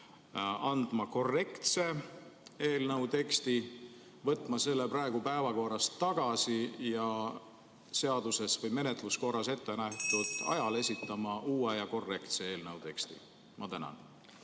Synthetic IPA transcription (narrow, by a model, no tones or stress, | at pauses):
ɑnd̪̥mɑko̞rːe̞kt̪se̞ | e̞ːlnɤwt̪e̞kst̪i | vɤt̪ːˑmɑse̞lːe̞prɑeɡ̥upæevɑko̞ɾɑst̪ːɑɡ̥ɑsijɑ | se̞ɑd̪̥use̞svɤjme̞ne̞t̪ˑlusko̞rɑse̞t̪ːe̞næht̪ud̪̥ɑ̰jɑle̞sʲit̪ːˑɑmɑʔuːejɑko̞rːe̞kt̪se̞e̞ːlnɤwt̪e̞kst̪ḭ | mɑt̪ænɑ̰n